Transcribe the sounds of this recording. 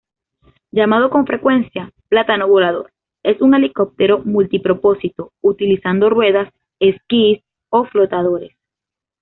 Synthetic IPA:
d͡ʒamað̞o̞ko̞ɱfɾe̞kwe̞nsjaplat̪anoβolaðo̞ɾ | e̞suŋe̞liko̞p̚t̪eɾo̞mult̪ipɾo̞po̞sit̪out̪ilisand̪o̞rwe̞ðas | e̞skis | o̞flo̞t̪að̞o̞ɾes

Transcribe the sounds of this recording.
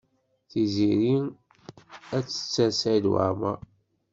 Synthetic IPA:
θiziɾi | æt͡sːə̥t͡sːæsæd̪wa̰ɾmæ

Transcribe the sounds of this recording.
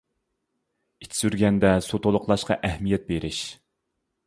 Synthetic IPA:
it̪ʰɪ̥syɾɡʲɛnd̪ɛsot̪olˠʊqlˠɑʃqɑʔɛhmijɛt̪̚beɾʔɪʃ

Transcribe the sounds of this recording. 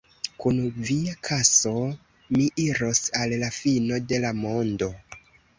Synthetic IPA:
kunviakʰaso̞ | miʔiɾo̞salːafino̞de̞lamo̞ndo̞

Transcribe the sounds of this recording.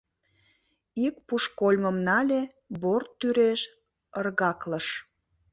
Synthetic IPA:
ikpuʃkolʲməmnɑlʲe | bort̪ːyɾeʃ | ərɣɑkləʃ

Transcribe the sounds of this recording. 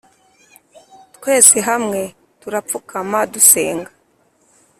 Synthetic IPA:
tkwe̞ːziɦamŋe̞ | tuɾap̪p͡fukamaduse̞̰ːŋɡa

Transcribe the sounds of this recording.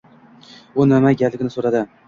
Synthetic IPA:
ʊnamaɡʲalɪɡʲnɪsoɾad̪ɪ

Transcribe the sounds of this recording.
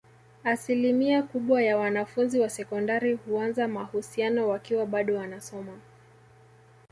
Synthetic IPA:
asilimiakuɓwajawanafunziwasɛkɔndaɾihuanzamahusianɔwakiwaɓaɗɔwanasɔma

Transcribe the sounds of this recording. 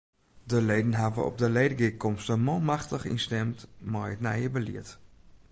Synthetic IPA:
dəleːdən̩ɦavə̰ɔ̰p̚dəlejdəɡikɔmstəmɔwmaxtəχḭnstɛmtmɔjətna̰jəbəlḭət

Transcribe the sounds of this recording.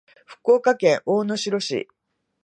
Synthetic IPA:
ɸɯ̟̥kːo̞ːkakẽ̞ɰ̃ʔoːno̞ɕiɾo̞ɕḭ

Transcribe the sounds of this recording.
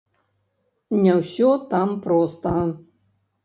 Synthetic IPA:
nʲɛwsʲɔt̪ampɾɔst̪ɐ

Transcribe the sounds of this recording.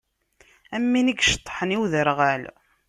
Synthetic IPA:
æmːiniɡʃə̥t̪ˤːħəniwðəɾʁæl

